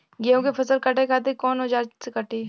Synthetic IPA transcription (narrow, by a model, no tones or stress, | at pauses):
ɡejõkepɐsəlkɐʈekʰaːt̪̬ekɔːnɦʊd͡ʒaːɾsekɐʈiː